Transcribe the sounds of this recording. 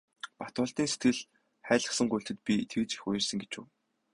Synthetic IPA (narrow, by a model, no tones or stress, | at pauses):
pat̪ʊːɮt̪iːŋset̪̚ɡɘ̆ɮ | χæːɮə̆χsə̆ŋɢujɬt̪ɘ̆t̪̚pʲit̪ʰekt͡ɕĭ̥xʊj̆rsə̆ŋɡet͡ɕṵː